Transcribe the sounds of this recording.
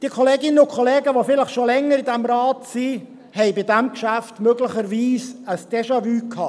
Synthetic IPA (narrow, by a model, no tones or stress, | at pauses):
d̥iəkʰoleːɡɪnənʊkʰoleːɡəʋofɪləχʃolɛŋːəɾɪdæmɾɑːtsi | hɛɪbɪdæmkʃæftmøɡləχəɾʋiːsəsd̥ɛʃɑvyːkʰhɑː